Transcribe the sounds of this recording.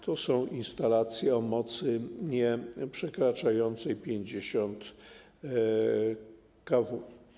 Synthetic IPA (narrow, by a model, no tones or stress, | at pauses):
t̪ɔsɔ̃w̃inst̪alat̪sʲjɛɔmɔt̪sɘɲɛpʂɛkɾat͡ʂajɔnt̪sɛjpʲjeɲd͡ʑeɕɔnt̪ | kavu